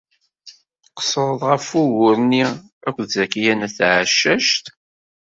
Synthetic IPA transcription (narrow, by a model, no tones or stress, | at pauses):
qə̥sˤəɾˤəðˤʁəfuwʊɾni | ækʷːðzækijænæθʕaʃːæʃt̪